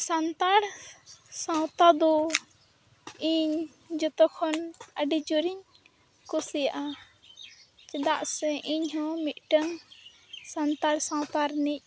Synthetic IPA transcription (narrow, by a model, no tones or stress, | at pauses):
sant̪aɽ | sãwt̪ad̪ɔ | iɲ | d͡ʒɔt̪ɔkʰɔnəɖid͡ʒuɾiɲ | kusijaʔa | t͡ʃɛd̪aʔsɛʔiɲhɔ̃mit̪̚ʈəŋ | sant̪aɽsãwt̪aɾnic̚